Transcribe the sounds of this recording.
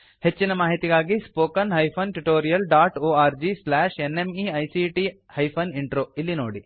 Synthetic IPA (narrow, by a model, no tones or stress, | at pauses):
het͡ʃːinɐmaːɦit̪iɡaːɡispoːkɐnɦɐjpʰɐnʈuʈoːɾijɐlɖaːʈoːaːɾd͡ʒislaːʃenemiɐjsiʈi | hɐjpʰɐniɳʈɾoːilːinoːɽi